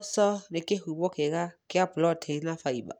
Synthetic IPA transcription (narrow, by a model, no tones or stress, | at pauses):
sɔnɪkʼehubɔkʰɛkakɪapʊlɔtʰenafaiba̰